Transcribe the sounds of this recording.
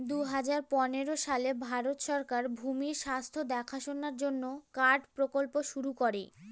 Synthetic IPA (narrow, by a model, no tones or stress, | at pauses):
d̪uɦad͡ʑaɾpɔneɾoʃalebʱaɾot̪ʃɔɾkaɾbʱumiɾʃast̪ʰod̪ɛkʰaʃonaɾd͡ʑonːokaɾɖpɾokolpoʃuɾukoɾe